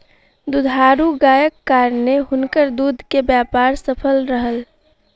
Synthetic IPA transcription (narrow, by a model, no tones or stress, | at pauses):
d̪ud̪ʱaːɾuɡaːjəkːaːɾneɦʊnkəɾd̪uːd̪ʱkebjaːpaːɾsəpʰəlɾəɦəl